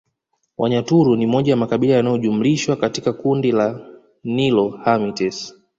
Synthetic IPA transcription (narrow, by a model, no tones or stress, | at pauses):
wʔaɲatuɾunimɔʄajamakaɓilajanajɔʄum̩liʃwakatikakundila | nilɔhamitɛs